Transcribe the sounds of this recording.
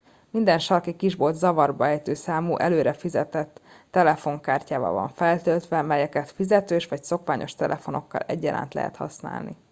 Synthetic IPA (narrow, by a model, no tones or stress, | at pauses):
mind̪ɛnʃɒrkikiʒbo̞lt̪zɒvɒrbɒɛjt̪øːsaːmuʔɛløːɾɛfizɛt̪ɛt̪ː | ɛlɛfo̞ŋkaːrcaːvɒ̰vɒ̰ɱfɛlt̪ølt̪ʋɛmɛjɛkɛt̪fizɛt̪øːʃʋɒcso̞kʋaːɲʔo̞ʃt̪ɛlʔɛfo̞no̞kːɒ̰lɛɟːɛla̰ːnt̪lɛ̰ɦɛ̰t̪hɒ̰sna̰ːlnḭ